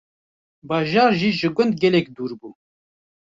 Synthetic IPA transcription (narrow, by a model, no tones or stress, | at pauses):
bɑːʒɑːɾʒiːʒɨɡʷʊnd̪̚ɡɛlɛkd̪uːɾbuː